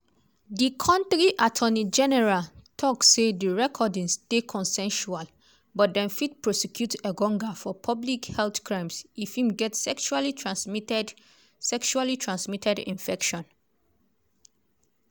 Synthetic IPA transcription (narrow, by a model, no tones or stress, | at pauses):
dikʰɔ̃ntɹiʔatʰɔnid͡ʒɛnɛɹaltʰɔksːediɹɛkʰɔdĩŋstekʰɔ̃nsɛ̃nʃual | bɔt̚dɛ̃nfid̚pɹɔsɛkʰjutəɡɔ̃ŋɡafɔpʰɔblikhɛlθkɹãɪ̃msifhĩmɡɛtsɛkʃualitɹatɛd | sɛkʃualitʰɹãnsmitʰɛdḭ̃nfɛkʃɔ̃n